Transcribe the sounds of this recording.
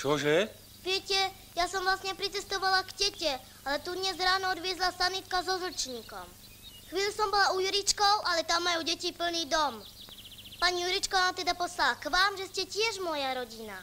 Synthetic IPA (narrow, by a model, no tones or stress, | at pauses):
t͡ʃɔʒɛ | ʋɪɛcɛ | jasɔmʋlasɲɛpɾit͡sɛst̪ɔʋalaɡɟɛcɛ | alɛt̪ud̪ɲɛzɾaːnɔɔd̪ʋɪɛzlasanit̪kazɔzl̩t͡ʃɲiːkɔ̰m | xʋiːʎusɔmbɔlaujuɾit͡ʃkɔʊʔalɛt̪amːajuːɟɛcipl̩niːd̪ɔm | paɲijuɾit͡ʃkanaːmt̪ɛd̪apɔslalakʋaːmʒɛscɛcɪɛʒmɔjaɾɔɟina̰